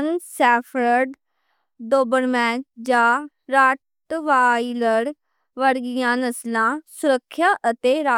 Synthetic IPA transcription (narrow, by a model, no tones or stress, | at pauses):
nsɛːpʰɾəɖ | doːbəɾmɛ̃ːt͡ʃd͡ʒãː | ɾaː | ʈʋaːiləɾ | ʋəɾɡɪjãːnəslãːsʊɾəkʰːjaːʔət̪eːɾaː